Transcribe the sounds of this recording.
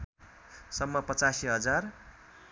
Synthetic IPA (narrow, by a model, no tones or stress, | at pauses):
sʌmːʌpʌt͡sasiɦʌd͡zar